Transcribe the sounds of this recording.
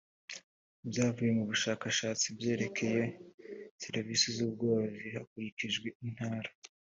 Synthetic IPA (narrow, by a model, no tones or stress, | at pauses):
bjaːvuje̞muβuʃaːkaʃaːt͡sibje̞ːɾe̞kʰe̞je̞ | seɾvisizuːb̚ɡoːzihakuɾiciʒɡwe̞in̥haːɾa